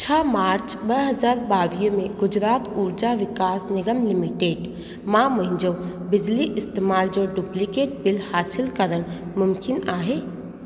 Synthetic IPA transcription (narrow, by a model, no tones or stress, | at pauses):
t͡ʃʰəːmaːɾt͡ʃbəɦəzaːɾbaːʋijəmẽɡʊd͡ʒɾaːt̪uːɾd͡ʒaʋɪkaːsnɪɡəmlɪmɪʈeːɖ | mãːməɦɪ̃ɲd͡ʒəwbɪd͡ʒliʔɪst̪eːmaːld͡ʒoːɖuːplikeːʈ̚bɪlhaːsɪlkəɾəɽ̃mʊmkɪnaːɦeː